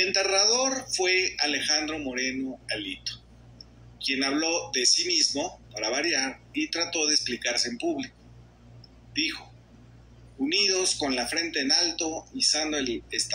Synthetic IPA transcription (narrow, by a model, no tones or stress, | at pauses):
ent̪e̞raðo̞ɾfwe̞ale̞xand̪ɾo̞mo̞ɾe̞no̞alḭt̪o̥ | kje̞naβlo̞ðe̞simizmo̞paɾaβaɾjaɾit̪ɾat̪o̞ðeesplikaɾse̞ːmpuβliko̥ | d̪ixo̞ | uniðo̞sko̞nlafɾe̞nt̪e̞ːnalt̪o̞isand̪oelest̪